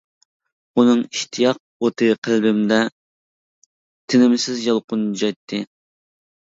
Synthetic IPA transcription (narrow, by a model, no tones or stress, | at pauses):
unɨŋiʃt̪ʰijɑq̚ot̪ʰɨqʰəlbɪmd̪ɛ | t̪ʰɪnɪmɪsɪzjɑlˠqʊnd͡ʒɑjt̪ʰːɨ